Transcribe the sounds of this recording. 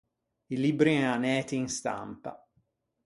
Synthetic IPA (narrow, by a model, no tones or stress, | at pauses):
ilibɾiɛanɛːt̪iːnst̪a̰mpa̰